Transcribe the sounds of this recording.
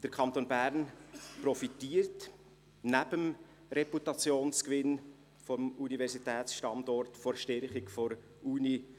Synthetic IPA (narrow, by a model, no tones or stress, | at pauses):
d̥əɾkʰɑnt̪oːnbæɾnprɔfitiːəɾt | næbəm | ɾɛputɑt͡sjoːnskʋɪn | fɔmunivɛɾsitɛːtsʃtɑndɔɾtfɔɾʃtɛɾχikfɔɾ | uːni